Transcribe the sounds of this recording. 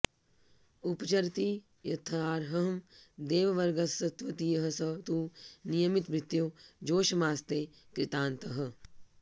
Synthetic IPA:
upt͡ʃɐɾt̪i | jɐt̪ʰɐaːɾɦɐɦmd̪eːʋɐʋɐɾɡɐsɐt̪ʋɐt̪ijɐɦɐsɐt̪uːnijɐmit̪bɾɪt̪jud͡ʒoːʃɐmaːst̪eːkɾɪt̪aːnt̪ɐɦɐ̆

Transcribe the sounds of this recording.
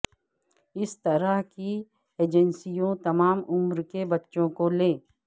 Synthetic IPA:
ɪst̪ɐɾəɦki | eːd͡ʒɛnsijõt̪ɐmaːmʊmɾkebɐtːʃõkoleː

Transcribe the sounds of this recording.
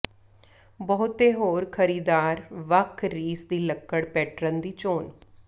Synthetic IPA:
bəɦʊt̪eːɦoːɾkʰəɾiːd̪aːɾʋəkʰɾiːsd̪iːləkːəɽpɛːʈɾənd̪iːt͡ʃoːn

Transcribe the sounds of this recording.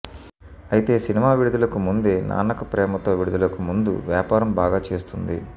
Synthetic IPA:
ɐjit̪e̞ːsinimaːʋiɽud̪ulɐkumund̪e̞ːna̰ːnɐkɐpɾɛːmɐt̪oːʋiɽud̪ulɐkumund̪ṵʋjaːpaːɾɐmbaːɡaːt͡ʃe̞ːst̪und̪ḭ

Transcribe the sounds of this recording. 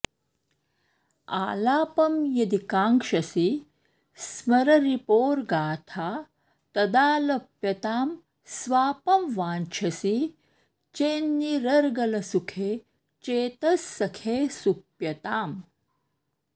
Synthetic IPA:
a̰ːlaːpɐmjɐd̪ikãːŋkʃɐsi | smɐɾɐɾipoːɾɡaːt̪ʰaː | t̪ɐd̪aːlɐpjɐt̪aːm | sʋaːpɐmʋaːnt͡ʃʰɐsi | t͡ʃeːnːiɾɐɾɡɐlɐsukʰeː | t͡ʃeːt̪ɐsːɐkʰeːsupjɐt̪aːm

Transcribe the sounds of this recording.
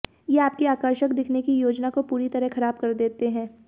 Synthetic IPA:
jeaːp̚kiaːkəɾʃəkd̪ɪkʰnekijoːd͡ʒnakopuːɾit̪ɐɾɛɦxɐɾaːb̚kɐɾd̪eːt̪eɦɛ̃ː

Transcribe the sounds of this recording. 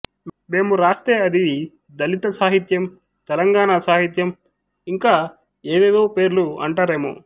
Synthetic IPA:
me̞ːmuɾaːst̪ɾeːɐd̪iʋi | d̪ɐlit̪ɐsaːɦit̪jɐm | t̪ɛlɐŋɡaːɳasaːɦit̪jɐm | iŋkaː | eːʋed̪o̞ːpe̞ːɾluɐ̰ɳʈaːɾe̞ːmo̰ː

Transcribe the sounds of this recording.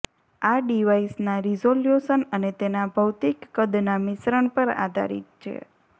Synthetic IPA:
aɖiʋaisnaɾizoljusənənet̪enabʱəwt̪ikːəd̪namɪsɾəɳpəɾa̰d̪ʱa̰ɾḭt̪̚t͡ʃʰḛ

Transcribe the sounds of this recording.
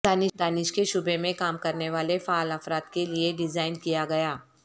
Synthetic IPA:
d̪aːnɪd̪aːnɪʃkeʃʊbemẽkaːmkɐɾneʋaːlefaːlɐfɾaːt̪kelieɖɪzaːɪnkijaɡɐjaː

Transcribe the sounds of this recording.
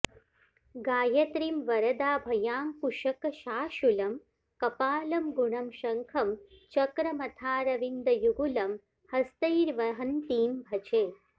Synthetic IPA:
ɡaːjɐt̪ɾimʋɐɾɐd̪aːbʱɐjaːmkuʃɐkɐʃaːʃulɐm | kɐpaːlɐmɡuɳɐmʃɐŋkʰɐmt͡ʃɐkɾɐmɐt̪ʰaːɾɐʋind̪ɐjuɡulɐm | hɐst̪ɐjiɾʋɐɦɐnt̪iːmbʱɐt͡ʃeː

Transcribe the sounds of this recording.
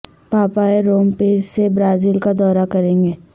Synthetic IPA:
paːpaeɾoːmpiːɾsebɾaːziːlkad̪ɔːɾakɐɾẽːŋɡeː

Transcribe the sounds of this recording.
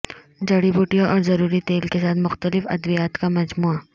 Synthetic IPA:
d͡ʒɐɽibuːʈijaʔɔːɾzɐɾuːɾit̪eːlkesaːt̪mʊxt̪əlɪfɐ̰d̪ʋijaːt̪kamɐd͡ʒmuːa

